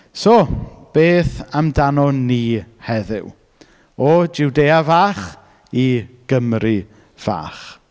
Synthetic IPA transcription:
sɔb̥eːθamdanɔniːhɛðɨ̰w | ɔd͡ʒɪwdejavaːχ | iɡ̥əmrɨ | v̥a̰ːχ

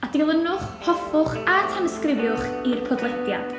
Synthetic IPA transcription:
adilˠənʊχhɔfʊχatʰanəskrɪvjʊχirpʰɔdlˠɛdja̰d̥

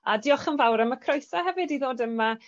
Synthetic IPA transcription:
adiːɔχənvawɾəməkʰrɔjsaɦɛvɪdiðoːdəma

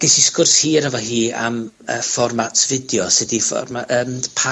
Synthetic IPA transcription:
ɡ̥ɛsiskʊrshiːɾəvɔɦiːa̰m | ə̰fɔrmatʰv̥ɪdjɔsɪdifɔ̰rmaəːmpʰa

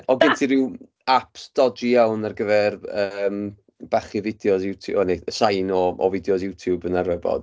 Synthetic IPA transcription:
ɔɡɪntʰiɾɪw | apʰsd̥ɔd͡ʒijawnarɡəvɛrəːm | b̥aχivɪdjɔsjutʰuʔɔnesajnɔɔ̰vɪdjɔsjuwtʰjubənaɾwɛbɔ̰d̥

